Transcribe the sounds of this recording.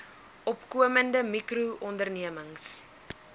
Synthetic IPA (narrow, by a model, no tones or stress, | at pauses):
ʔɔpkuəməndəmikruʔɔndərniəməŋs